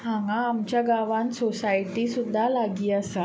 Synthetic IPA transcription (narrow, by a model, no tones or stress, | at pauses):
haŋamt͡ʃaɡawansosait̪isud̪ahlaɡiasa